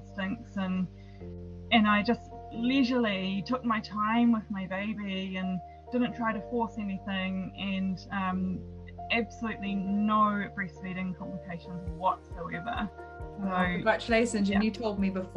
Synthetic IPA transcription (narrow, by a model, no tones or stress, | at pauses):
stɪ̃ŋksɨ̃n | ɨ̃naɪd͡ʒʌst | liʒəl̩ˠitʰʊk̚maɪtʰãɪ̃mwɪðmaɪbeɪbiɨ̃n | d̥ɪdⁿn̩tʰɹ̥aɪɾɨfɔɹsɛniθɪ̃ŋɨ̃nʌ̃m | æb̥səlʉʔˡlinoʊb̥ɹɛsfɛɾɪ̃ŋkʰɑ̃mpləkʰeɪʃə̃nzwʌtsaʊɛvə̰˞ | soʊ̃ɡɹæt͡ʃəleɪʃɨ̃nd͡ʒɨ̃njɨtʰoʊlˠd̚mibəf